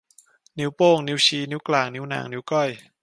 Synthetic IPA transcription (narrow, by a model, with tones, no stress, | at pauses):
ni˨˦˥wpoː˥˩ŋni˨˦˥wt͡ɕʰiː˧˩ni˦˥wklaː˨˩ŋni˦˥wna̰ː˩˦ŋni˦˥wkɔ˥˩j